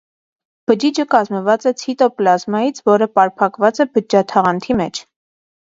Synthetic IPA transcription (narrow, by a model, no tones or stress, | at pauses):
b̥əd͡ʒid͡ʒəkɑzməvɑt͡sɛt͡sʰit̪ɔplɑzmɑjit͡sʰvɔɾəpɑɾpʰɑkvɑt͡sɛbəd͡ʒɑt̪ʰɑʁɑnt̪ʰimɛt͡ʃʰ